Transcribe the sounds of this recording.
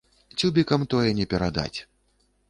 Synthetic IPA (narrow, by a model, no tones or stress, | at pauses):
t͡sʲubʲikɐmt̪ɔjɛnʲɛpʲɛɾad̪a̰t͡sʲ